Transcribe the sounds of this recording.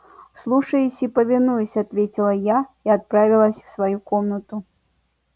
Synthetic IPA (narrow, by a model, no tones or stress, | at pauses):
slˠuʂɐjusʲipɐvʲinujusʲat̪vʲet͡sʲilˠɐjaiat̪̚pɾavʲilˠɐsʲwsvajukɔmnɐt̪u